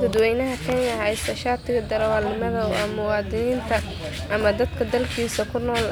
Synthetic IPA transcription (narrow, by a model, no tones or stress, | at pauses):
ɡʊd̪wɛjnɐɦɐkʰɛnɐɦɐjsɐʃaːt̪ʰɪɣɐd̪ɐɾɐwɑlɪmɐðɐɐmʊwɑːd̪ɪniːnt̪ʰɐ | ʔɐmɐd̪ɐd̪kʰɐd̪ɐlkʰiːsɐkʰʊnɔːl